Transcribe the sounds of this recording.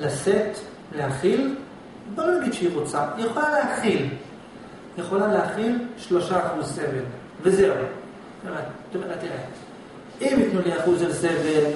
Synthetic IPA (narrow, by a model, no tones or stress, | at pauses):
laset̪ | leaχil | bolonaɡid̪ʃeiʁot͡sajeχo̞laleaχil | jeχo̞laleaχilʃlo̞ʃaχuzse̞vel | vezeu | et̪omeʁat̪iʁe | imjit̪nuliaχuzelsevel